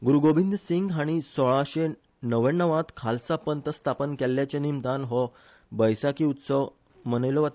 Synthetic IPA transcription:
ɡuɾuɡobind̪ʱsiŋɡɦaɽ̃isɔɭaɕe | nəʋə̃nːəʋãt̪kʰalsapənt̪əst̪ʰapənkɛlːjat͡ɕenimd̪anɦɔ | bəjsakiːut̪səʋ | mənəjlɔʋat̪

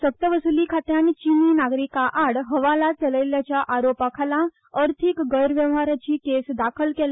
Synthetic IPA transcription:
sək̚t̪əʋəsulikʰat̪jant͡ʃiːninaːɡɾikːaʔaɽɦɐʋaːlat͡ʃɐləjljat͡ʃaʔaːɾoːpakʰalã | əɾt̪ʰikɡəjɾʋjə̃ʋɦaɾat͡ʃikeːsd̪aːkʰəlkel

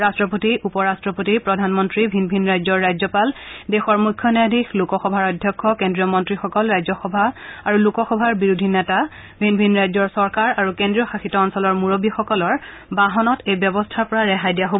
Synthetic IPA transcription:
ɹastɹɔpotiʔupɔɹastɹɔpotipɹɔdʱanmɔntɹibʱinbʱinɹajzɔɹːajzɔpaldexɔɹmukʰːjɔnɛadʱixlukɔxɔbʱaɹɔdʱjɔkʰːɔkendɹijɔmɔntɹixɔkɔlɹajzɔxɔbʱaaɹulukɔxɔbʱaɹbiɹudʱinɛta | bʱinbʱinɹajzɔɹsɔɹkaɹaɹukendɹijɔxaxitɔːnsɔlɔɹmuɹobixɔkɔlɔɹ | baɦɔnɔtejbjɔbɔstʰaɹpɔɹaɹɛxajdijaɦob

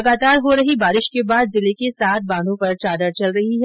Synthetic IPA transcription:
ɐɡaːt̪aːɾɦoɾɐɦibaːɾɪʃkebaːd̪zɪlekesaːt̪̚ʰbãːnd̪ʱõpɐɾt͡ʃaːd̪əɾt͡ʃɐlɾɐɦiɦɛ

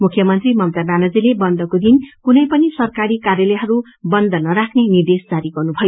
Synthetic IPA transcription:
mukʰjʌmʌnt̪rimʌmt̪abjanʌd͡zilebʌnd̪ʌkod̪inkunʌjpʌnisʌrkaɾikarjʌlʌjɦʌɾu | bʌnd̪ʌnʌɾakʰnenird̪esd͡zaɾiɡʌrnubʱʌjo

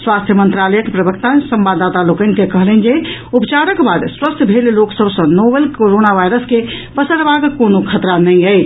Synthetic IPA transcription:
swast̪ʰjəmənt̪ɾaləjəkepɾəbəkt̪asəmbad̪at̪alokənkekəɦlən̆d͡ʒeupt͡ʃaɾəkbad̪swəst̪ʰbʱelloksəbʱsə̃nobelkoɾonaʋajɾəske | pəsəɾbʱaɡkonokʰət̪ɾanəĩəj

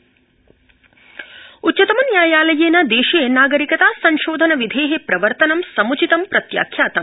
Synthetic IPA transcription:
utːt͡ʃɐt̪ɐmɐnjaːjaːlɐjeːnɐd̪eːʃeːnaːɡɐɾikɐt̪aːsɐɲʃoːd̪ʱɐnɐʋid̪ʱeːɦepɾɐʋɐɾt̪ɐnɐmsɐmut͡ʃit̪ɐmpɾɐt̪ja̰ːkʰjaːt̪ɐm

